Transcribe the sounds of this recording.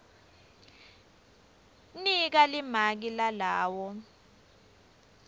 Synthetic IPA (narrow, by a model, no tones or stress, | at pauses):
nik̬alimak̬ilalaːwɔ